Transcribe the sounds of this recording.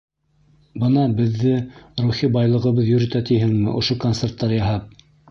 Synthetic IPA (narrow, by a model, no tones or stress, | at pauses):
bɤnɑbɘ̆ðːɘruχibɑjlˠɤ̆ʁɤ̆βɤðjɵ̆ɾɵ̆t̪æt̪ijɦɘŋmɘʔŏ̰ʃokont̪sert̪ːɑɾjɑɦɑp̚